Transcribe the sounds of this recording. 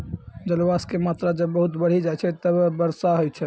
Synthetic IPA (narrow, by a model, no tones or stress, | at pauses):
d͡ʒəlwaskemat̪ɾad͡ʒəbːəɦut̪bəɽ̤id͡ʒajt͡ʃʰɛt̪əbbəɾsaɦojt͡ʃʰɛ